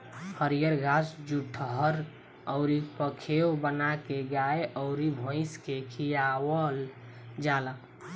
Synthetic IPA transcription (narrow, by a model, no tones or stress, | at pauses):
həɾijəɾɡasd͡ʒuʈʰəɦəɾ | ɔʊɾipəkʰeobənakeɡaeʔɔʊɾibʱõɪskekʰijawəl | d͡ʒala